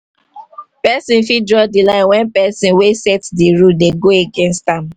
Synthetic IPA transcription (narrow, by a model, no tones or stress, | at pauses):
pɛsĩnfidɹɔdilãɪ̃nwɛ̃npɛsĩnwesɛtdiɹuldeɡoeɡẽnstãm